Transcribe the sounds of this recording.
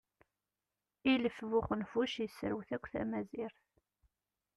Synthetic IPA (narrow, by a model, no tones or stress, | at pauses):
iləfvʊχənfuʃjəsɾəwθækʷːθæ̰mæziɾθ